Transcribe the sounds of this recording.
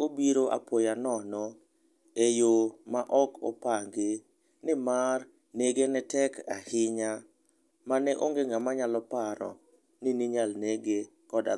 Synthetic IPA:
obiɾoʔa̰pojanɔnɔ | ejomaʔɔkɔ̰paŋɡe | nɪmar | neɡenɛtɛkahɪɲa | manɛʔoŋɡeŋɡamaɲalɔpaɾɔ̰ | nɪniɲalneɡe | kɔda̰

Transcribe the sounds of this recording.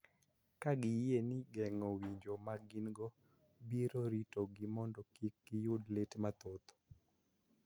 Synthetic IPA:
kaɡɪjenɪɡɛŋɔwiɲd͡ʒomaɡinɡɔ | biɾoɾitoɡɪmɔndɔkikːɪjʊdletmat̪ot̪ɔ̥

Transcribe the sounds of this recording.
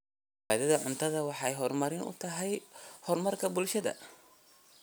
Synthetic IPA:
ðɐðɐʕʊnt̪ʰɐðɐwɑħɑjɦɔrmɐɾɪnʊ̰t̪ʰɐɦɛjhɔrmɐrkʰɐbʊlʃɐðɐ̰

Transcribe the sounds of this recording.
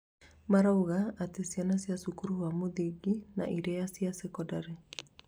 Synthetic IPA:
maɾauɣaːtesjanasjasukuɾuwamoðiɡina̰ʔiɾɛjasiasɛkɔdaɾe

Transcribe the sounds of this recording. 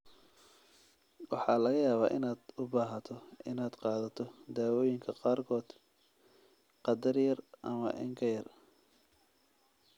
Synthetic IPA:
wɑħɑːlɐɣɐjaːβa̰ːʔɪnaːd̪ʊbaːɦɐt̪ʰɔʔɪnaːd̪qɑːðɐt̪ʰɔd̪aːwɔːjɪŋkʰɐqɑːrkʰɔːd̪̥ | qɑd̪ɐrjɐrʔɐmɐ̰ʔɪ̰ŋkʰɐjɐr

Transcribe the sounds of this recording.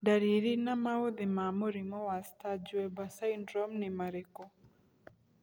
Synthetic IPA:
daɾiɾinamaoðemamoɾimɔwastad͡ʒwɛbasajndɾɔmnɪmaɾekɔ

